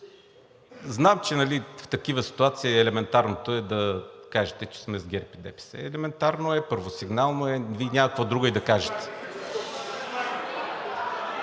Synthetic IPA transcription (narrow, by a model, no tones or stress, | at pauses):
znamt͡ʃɛnɐlift̪ɐkivəsi̥t̪uat̪siɛlɛmɛnt̪aɾnot̪oɛd̪ɐkaʒɛt̪ɛt͡ʃɛ̥smɛzɡʲɛɾpid̪ɛ̰pi̥sɛ̰ɛlɛmɛnt̪aɾnoɛpɤɾvosiɡnalˠnoɛvinʲakɐkvɐd̪ɾuɡəid̪ɐkaʒɛt̪ɛ̥